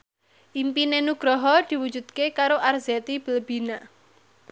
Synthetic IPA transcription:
ʔimpinenuɡ̥ɾɔɦɔd̪̥i̤wud̥d͡ʒ̥ṳd̪̥kekaɾoʔarzɛt̪ib̥əlb̥i̤na

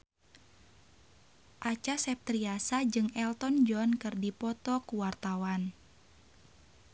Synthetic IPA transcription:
ʔat͡ʃasɛp̚t̪ɾiasad͡ʒɨŋɛlt̪ɔnd͡ʒɔnkɨrdipɔt̪ɔkuwart̪awan

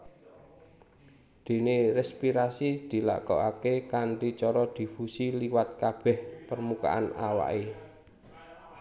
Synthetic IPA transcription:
d̪̥e̤neɾɛspiɾasid̪̥i̤la̰kɔ̰ʔakekanʈit͡ʃɔɾɔd̪̥i̤fusiliwat̪̚kab̥ɛ̤hpərmuka̰ʔana̰wa̰ʔe

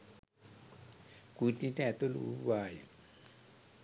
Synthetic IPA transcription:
kut̪itɛt̪olṵṵbaja

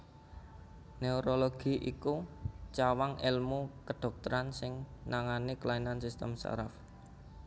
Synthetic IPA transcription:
neoɾoloɡ̥i̤ʔikut͡ʃawaŋʔɪlmukəɖ̥ɔ̤k̚t̪əɾansɪŋnaŋaniklainansist̪ə̰msa̰ɾaf

